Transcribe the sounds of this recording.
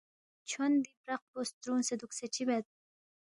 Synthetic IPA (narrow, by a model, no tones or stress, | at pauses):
t͡ʃʰond̪ibɾaq̚bost̪ɾunsed̪ukset͡ɕʰibɛt̪̚